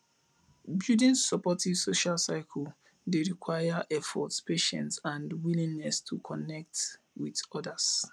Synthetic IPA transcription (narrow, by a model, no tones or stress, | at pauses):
bjudĩnsɔpɔtiv̥soʃalsaɪkʰɔl | deɹikʰwaɪjaʔɛfɔ̰tspʰeʃɛ̰̃ntsãndwilĩŋnɛstʰukʰɔnɛk̚t | widɔdas